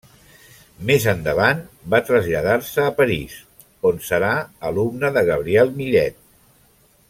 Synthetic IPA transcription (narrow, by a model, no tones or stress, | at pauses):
mezənd̪əβanbat̪ɾəzʎəðarsəːpəɾis | onsəɾaəlumnəðəɣəβ̞ɾiɛlˠmiɾɛt̪̚